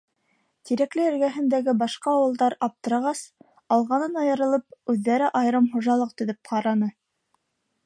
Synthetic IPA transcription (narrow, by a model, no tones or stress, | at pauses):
t̪iɾæklɘɘ̆ɾɡæɦɘ̆nd̪æɡɘbɑʃqɑːwɤ̆lˠd̪ɑɾɑp̚t̪ɤ̆ɾɑʁɑs | ɑlˠʁɑnɤnɑjɤ̆ɾɤ̆lˠɤp̚ʉðːæɾɘʔɑjɤ̆ɾɤmχŏʒɑlˠɤq̚t̪ɵ̆ðɵp̚qʰɑɾɑnɤ